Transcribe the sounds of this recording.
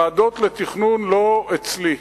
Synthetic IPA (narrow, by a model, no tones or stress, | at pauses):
ad̪ot̪let̪iχnunloet͡sli